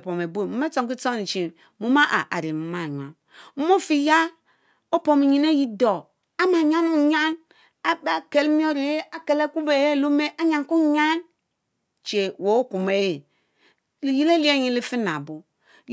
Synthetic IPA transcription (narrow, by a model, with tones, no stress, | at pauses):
po˨me˨bo˦˨mu˨m˦e˦t͡so˨ki˦t͡so˦ni˨t͡ʃi˨ | mu˦ma˦ʔa˨ʔa̰˨ɾi˨mu˨˦ma˦˨ɲʷ˨a̰˨ | m̩˦mo˦˨fi˦ja˦ | o˦po˨mi˨ɲi˨ne˦ji˦do˨ | a˦ma˨ɲa˦nu˦ɲa˦n | a˦ba˨ke˨lmi˦o˦ɾi˨je˦a˨ke˨le˦ku˦be˨je˦˨lo˦me˦ʔa˦ɲa˨nku˦ɲa˦n | t͡ʃe˨wo˨˦o˦ku˨me˨je˨ | li˨ji˦le˦li˦e˦ɲi˦li˦fi˦na˨bu˨